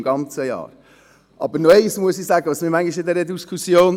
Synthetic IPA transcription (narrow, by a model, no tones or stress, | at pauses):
mɡ̥ɑnt͡səjɑ̰ːɾ | ʔɑbəɾnoɛɪsmuəsisæːɡəʋɑsmimæŋɡiʃɪd̪ɛɾədiskʰusjoːn